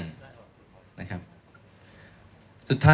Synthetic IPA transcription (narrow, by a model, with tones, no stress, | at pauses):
n | na̰˦˥kʰa˦˥p̚ | su˨˩t̪ʰːaː˦